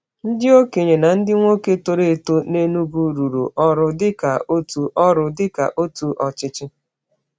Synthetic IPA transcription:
n̩˦dɪ˦o˦ke˨ɲe˨na˨n̩˦dɪ˦ŋʷo˦ke˦to˦ɾe˦˨to˦ne˦nu˦ɡu˦ɾu˨ɾṵ˨ʔɔ˦ɾʊ˦dɪ˦ka̰˨ʔo˦tu˨ʔɔ˦ɾʊ˨dɪ˦ka̰˨ʔo˦tu˨ʔɔ˨t͡ʃɪ˦t͡ʃɪ˦

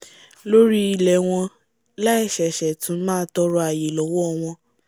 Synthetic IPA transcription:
lo˦ɾi˦i˨lɛ˨w̃ɔ̃˧ | la˦ɛ˦˨ʃɛ˨ʃɛ˨tũ˨˦mãː˦tɔ˧˦ɾɔ˧a˨je˨lɔ˨˦wɔ˦˧w̃ɔ̃˧

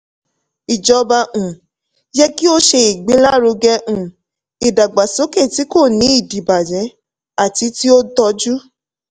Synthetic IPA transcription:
i˨d͡ʒɔ˨˧ba˧ũ˨ | jɛ˦ki˦o˦ʃe˧i˨ɡ͡be˨˦la˦ɾu˧ɡɛ˧ũ˨ | i˨da˨ɡ͡ba˨so˨˦ke˦˨ti˨˦ko˦˨nĩ˨˦i˦˨di˨ba˨d͡ʒɛ̃˨˦ | a˦˨ti˧˦ti˦o˦dɔ˧d͡ʒu˦

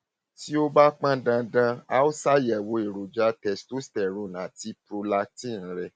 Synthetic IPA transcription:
ti˦o˦ba˦k͡pã˦dã˧dã˧a˦o˦sa˦jɛ˨wo˧e˨ɾo˨d͡ʒa˧˦tɛ˨sto˦stɛ˨ɾo˨nã˨ti˨˦pɾo˧la˧tĩ˦˨ñ̩˦ɾɛ˧˨

